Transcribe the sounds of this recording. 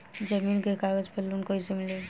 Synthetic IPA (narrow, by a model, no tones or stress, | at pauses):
d͡ʒɐmiːnkekaːɡəd͡ʒpelːunkoɪsemɪle